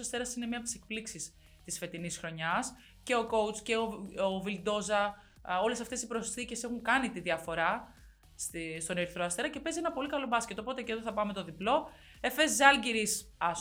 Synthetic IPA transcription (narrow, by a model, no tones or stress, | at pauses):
sɐst̪e̞ɾɐsinemiɐp̚t̪ise̞k̚pliksis | t̪isfe̞t̪inisxɾo̞ɲɐs | ce̞o̞ko̞wt͡sce̞oovild̪o̞zɐ | o̞le̞sɐft̪e̞sipɾo̞sθice̞se̞xuŋkɐnit̪iðiɐfo̞ɾɐ | st̪ist̪o̞neɾiθɾoɐst̪e̞ɾɐce̞pe̞zienɐpo̞likɐlo̞bɐsce̞t̪opo̞t̪e̞ceðoθɐpɐme̞t̪o̞ðiplo̞ | e̞fe̞zzɐlɟiɾis | ɐ